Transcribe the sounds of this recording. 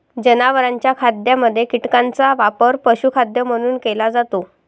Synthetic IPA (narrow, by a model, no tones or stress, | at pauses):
d͡ʑənaʋəɾaɲt͡ɕjakʰad̪jaməd̪ʱːjekiʈkãnt͡saʋapəɾpəɕukʰad̪jəm̤əɽ̃uːnkelad͡zat̪o